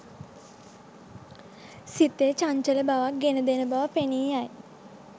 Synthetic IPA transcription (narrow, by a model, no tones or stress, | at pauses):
sit̪ːet͡ʃaɲt͡ʃələbaʋak̚ɡenəd̪enəbaʋəpeniːaj